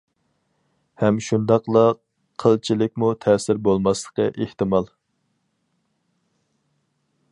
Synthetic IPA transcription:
hɛmʃund̪ɑqlˠə | qʰːəlˠt͡ʃʰilɪk̚ʲmut̪ʰɛsɪɾbolˠmɑslˠə̥qəʔeht̪ɨmɑlˠ

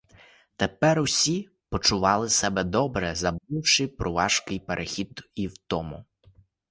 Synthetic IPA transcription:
t̪epɛɾʊsʲi | pɔt͡ʃʊʋɑlˠɪsɛbɛd̪ɔbɾɛzɐbuwʃɪpɾʊʋɑʒkɪjpeɾʔexʲid̪iwt̪ɔmʊ̰

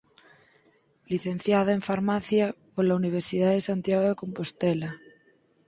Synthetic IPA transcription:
liθen̟θjaðaeɱfaɾmaθjapoɾlauniβ̞eɾsið̞aðesant̪jaɣoðeko̞mpost̪ela

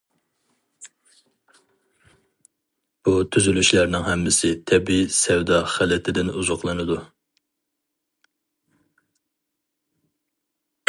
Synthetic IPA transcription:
b̥ut̪ʰyzylyʃlæɾnɪŋhɛmːɪsɪt̪ʰɛbisɛwd̪ɑχælɛt̪ʰɪd̪ɪnuzʊqlˠɨnɨd̪u

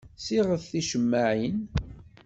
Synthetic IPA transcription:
siʁəθθiʃəmːaʕin

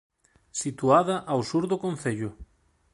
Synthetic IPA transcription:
sit̪uaðɐʔawsuɾðʊkon̟θeʎʊ

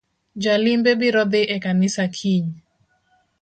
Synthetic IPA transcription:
d͡ʒalimbebiɾɔd̪ɪʔɛkanɪsakʰiɲ

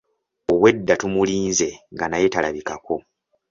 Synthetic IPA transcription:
oβwe̞dːatumuliːnze̞ŋɡanajetalaβikako̞

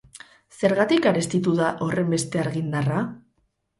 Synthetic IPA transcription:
se̞ɾɣat̪ikaɾe̞st̪it̪uðaʔo̞re̞mbe̞st̪e̞aɾɣind̪ara

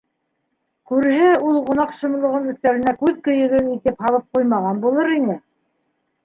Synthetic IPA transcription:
kʉɾhɘulˠʁŏnɑqʃŏm̆lˠŏʁɤnɵ̆θt̪ælɘ̆nækʉðkɵ̆jɘ̆ɡɘɾit̪ɘphɑlˠɤp̚qujmɑʁɑnbulˠɤɾinɘ

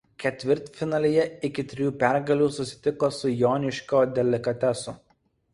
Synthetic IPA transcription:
kʲɛt̪ʲʋʲɪɾʲt̪fʲɪnɐlʲijɛɪkʲɪt̪ʲɾʲɪjuːpʲæˑɾɡɐlʲuːsʊsʲɪ̥t̪ʲɪkoːsʊjɔːnʲɪʃʲkʲoːd̪ʲɛlʲɪkɐt̪ʲɛsʊ

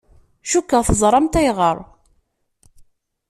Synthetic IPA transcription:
ʃukːəʁθəzˤɾˤɑmt̪æjʁəɾˤ

